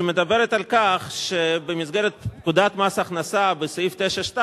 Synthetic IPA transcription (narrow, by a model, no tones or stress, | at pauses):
emed̪abe̞ʁet̪alkaχʃebemizɡe̞ʁet̪̚kud̪at̪masaχnasabesift̪ejʃaʃt̪a